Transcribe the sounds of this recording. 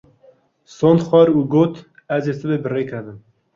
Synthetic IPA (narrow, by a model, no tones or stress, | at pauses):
sond̪xwɑɾuːɡoːt̪ | æzesɨbebɨreːkʰɛd̪ɨm